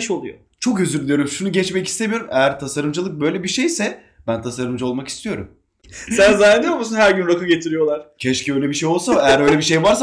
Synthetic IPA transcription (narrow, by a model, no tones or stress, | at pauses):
ʃolˠujo̰ | t͡ʃʰo̞køzyɾd̪ʲijo̞ɾumʃunuɟɛt͡ʃmɛcist̪e̞mijoɾumejæɾt̪ʰasaɾɯmd͡ʒɯlˠɯk̚bø̞jlʲebiʃejsɛ | b̥ænt̪ʰasaɾɯmd͡ʒao̞lˠmaki̥st̪ʰijo̞ɾṵm | sænzaːnd̪ijomusunhæɾɟynɾakʰɯlɟet̪ʰiɾijo̞lˠaɾ̥cʰɛʃcʰiøjlʲɛbiʃejo̞lˠsamaejæɾø̞jlʲebiʃ̬ejvaɾsa